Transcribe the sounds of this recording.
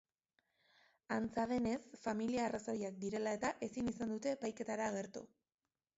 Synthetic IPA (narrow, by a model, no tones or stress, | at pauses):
ant͡sað̞e̞ne̞sfamiliaːraso̞ɾiak̚d̪iɾe̞lae̞t̪aʔe̞sinisand̪ut̪e̞ːpajke̞t̪aɾaːɣ̞e̞ɾt̪ṵ